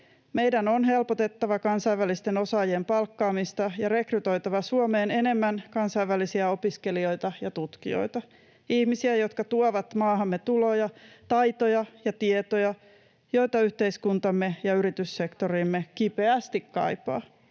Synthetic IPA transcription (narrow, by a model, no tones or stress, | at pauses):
me̞jdænonɦe̞lpot̪e̞t̪ːɑʋɑkɑnsɑiʋːælist̪eno̞sɑːjempɑlkːɑːmist̪ɑjɑɾe̞kryt̪o̞jt̪ɑʋɑsuome̞ːne̞ne̞mːænkɑnsɑjʋælisiæo̞piske̞lio̞jt̪ɑjɑt̪ut̪kḭo̰jt̪ɑ | ihmisiæjo̞t̪kɑt̪uoʋɑt̪mɑːɦɑmːet̪ulo̞jɑt̪ɑjt̪ojɑjɑt̪iet̪ojɑ | jo̞jt̪ɑyht̪e̞iskunt̪ɑmːejɑyɾit̪ysːekt̪oɾiːmːekipe̞æst̪ikkɑ̰jpɑ̰ː